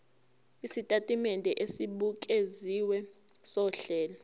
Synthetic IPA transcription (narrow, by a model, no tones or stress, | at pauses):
isitʼatʼimɛndʱɛʔesiɓukʼeziwɛ | sɔɬɛːla